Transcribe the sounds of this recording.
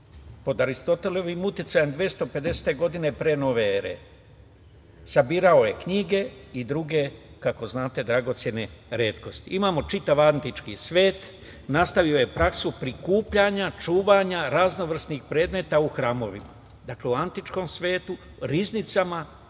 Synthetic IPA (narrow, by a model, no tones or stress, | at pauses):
po̞d̪aɾist̪o̞t̪e̞leʋimut̪jet̪sajemd̪ʋije̞st̪o̞pe̞d̪e̞se̥t̪e̞ɡo̞d̪ine̞pɾe̞no̞ʋe̞eɾḛ | sabiːɾao̞jekɲiɡe̞id̪ɾuɡe̞kako̞znaːt̪e̞d̪ɾaɡo̞t̪sje̞ne̞ɾe̞ːt̪ko̞st̪iʔimaːmo̞t͡ʃit̪aʋant̪it͡ʃkisʋe̞ːt̪ | nast̪aʋio̞je̞pɾaksupɾikuːpʎaɲat͡ʃuːʋaɲaɾazno̞ʋr̩snixpɾe̞ːd̪me̞t̪auxɾaːmo̞ʋḭma | d̪akle̞uant̪it͡ʃko̞msʋe̞ːt̪u | ɾiznit̪sama